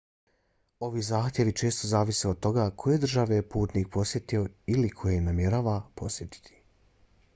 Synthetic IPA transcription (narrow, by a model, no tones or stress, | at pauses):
o̞ʋizaːxt̪je̞ʋit͡ʃe̞ːst̪o̞zaːʋiseod̪̚t̪o̞ɡakʰo̞je̞d̪r̩ʒaʋepuːt̪niːk̚po̞sje̞t̪io̞ilikʰo̞jejnamje̞ɾaːʋapʰo̞sje̞t̪i̥t̪ʰi̥